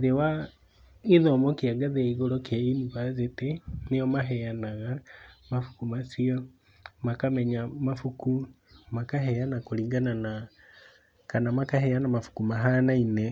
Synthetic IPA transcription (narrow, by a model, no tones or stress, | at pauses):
ðewa | iðɔmɔkiaɡaðeaiɣolɔkjainiβazetenejɔmaɦɛjanaɣamafu̥kumasiɔ | makamɛɲamafuku | makaɦɛjanakoliŋɡanana | kanamakaɦɛjanamafu̥kumaɦanaine